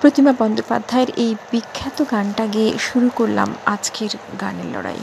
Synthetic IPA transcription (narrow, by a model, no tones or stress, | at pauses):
pɾot̪imabɔnd̪opa̰d̪ʱːaeɾejbikʰːat̪oɡanʈaɡieʃuɾukoɾla̰mad͡ʑkeɾɡanḛɾlɔ̰ɽa̰j